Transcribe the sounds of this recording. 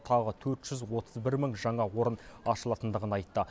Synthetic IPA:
t̪ʰɑʁət̪ʰɵɾt̪ʒ̥ʏzwo̞t̪ʰəzbɪɾməŋʒɑɴɑwo̞ɾənɑʃəlˠɑt̪ənd̪əʁənɑjt̪ːə

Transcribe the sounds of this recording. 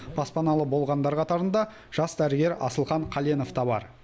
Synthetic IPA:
b̥ɑspɑnɑlˠəbo̞lˠʁɑnd̪ɑɾqʰɑt̪ɑɾənd̪ɑ | ʒ̥ɑsd̪æɾɪɡʲe̞ɾɑ̰səlˠχɑɴqʰɑleno̞ft̪ɑbɑ̰ɾ

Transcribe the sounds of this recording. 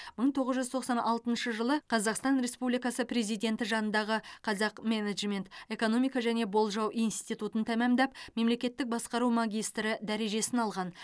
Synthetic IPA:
məɴt̪ʰo̞ʁəzʒʏzt̪ʰo̞qsɑnʔɑlˠt̪ənʃəʒəlˠəqʰɑzɑqst̪ɑnɾe̞spublijkɑsəpɾe̞zijd̪ʲe̞nt̪ɪʒɑnənd̪ɑʁəqʰɑzɑqmeneʒme̞nt̪e̞ko̞nomijkɑʒæne̞bo̞lˠʒɑwʔijnst̪ijt̪ut̪ənt̪ʰæmæmd̪ɑp̚me̞mle̞kʲe̞t̪ːɪk̚bɑsqɑɾumaɡʲijst̪ɾɪd̪æɾe̞ʒe̞sɪnɑlˠʁɑn

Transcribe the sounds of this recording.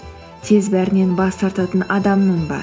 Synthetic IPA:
t̪ʰe̞zbæɾɪne̞nbɑst̪ʰɑɾt̪ɑt̪ənɑd̪ɑmnəɴbɑ̰ɾ

